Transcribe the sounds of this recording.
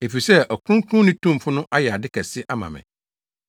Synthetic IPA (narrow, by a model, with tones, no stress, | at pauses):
e˨fi˨sɛ˦ʔɔ˨kʊ˦ɾʊ̃˦ŋ˦kʰʊ̃˦nɪ̃˦tʰũ˦m˨fʊ˦nʊ̃˦ʔa˦jɛ˨a˨dɪ˦kʰɛ˨sɪ˦ʔa˦mã̰˨mɛ̰̃˨